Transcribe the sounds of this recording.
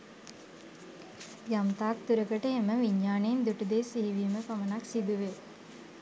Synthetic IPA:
jamt̪aːk̚t̪uɾəkəʈəɦeməʋiɲːaːnend̪uʈəd̪eːsiɦiʋiːməpamənaksid̪uʋe

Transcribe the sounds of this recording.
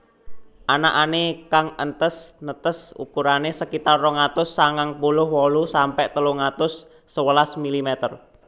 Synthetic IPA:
ʔana̰ʔanekaŋənt̪əsnət̪əsṵkuɾanesəkit̪arːɔŋat̪ʊsːaŋaŋpulʊhwɔlusampɛʔt̪əluŋat̪ʊsː | əwəlasmilimɛt̪ər

